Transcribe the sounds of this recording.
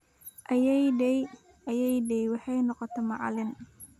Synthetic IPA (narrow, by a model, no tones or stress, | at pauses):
ʔɐjɛjdɛj | ɐjɛjɖɛjwɑħɑjnɔqɔt̪ʰɔmɑʕɑ̰lɪn